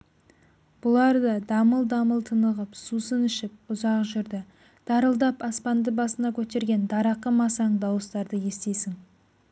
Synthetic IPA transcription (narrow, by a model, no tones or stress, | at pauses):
b̥ʊlˠɑɾd̪əd̪ɑməlˠd̪ɑməlˠt̪ʰənəʁəpsusənɪʃɪp̚ʊzɑqʒʏɾd̪ɪ | d̪̥ɑɾəlˠd̪ɑpɑspɑnd̪əbɑsənɑkʲʰɵt̪e̞ɾɡʲe̞nd̪ɑɾɑqəmɑsɑɴd̪ɑwəst̪ɑɾd̪əje̞st̪e̞jsɪŋ